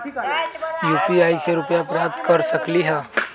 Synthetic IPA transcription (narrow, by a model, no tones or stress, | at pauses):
juːpiaːjseɾʊpjapɾap̚t̪kəɾsəkliɦɛ̃ː